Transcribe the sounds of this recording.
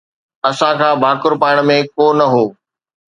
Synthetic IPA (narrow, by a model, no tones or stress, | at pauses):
ɐsãkʰãːbʱaːkʊɾpaːɪɽ̃̆mẽkoːnɐɦoː